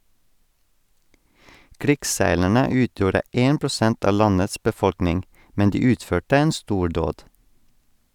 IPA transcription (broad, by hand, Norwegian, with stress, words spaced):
ˈkɾɪksˌsæɪlæɳə ˈʉːtjuːɾə ˈeːn pɾʊˈsɛnt ˈɑː ˈlɑnəs bəˈfɔɽknɪŋ ˈmɛn ˈdiː ˈʉːtføːʈə ˈeːn ˈstuːˌɖoːd